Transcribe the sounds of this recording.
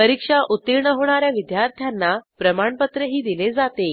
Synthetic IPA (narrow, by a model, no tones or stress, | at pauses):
pəɾikʂaʔut̪ːiɾɳəɦoɳ̃aɾjaʋid̪jaɾt̪ʰjanːapɾəmaɳpət̪ɾəɦiːd̪iled͡zat̪e